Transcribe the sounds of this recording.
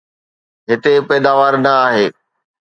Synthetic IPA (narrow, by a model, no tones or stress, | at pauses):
ɦɪt̪epɛːd̪aːʋaːɾnɐaːɦeː